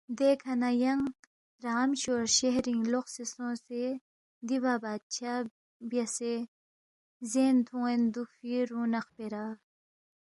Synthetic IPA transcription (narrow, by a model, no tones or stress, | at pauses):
d̪ekʰɐnajɐŋ | ɾaːmɕoːɾɕeɦɾiŋɡloqsesõːse | d̪ibabaːd̪̚t͡ɕʰa | bjɐse | zeːnt̪ʰũend̪ukfiɾũːnɐxpeɾaː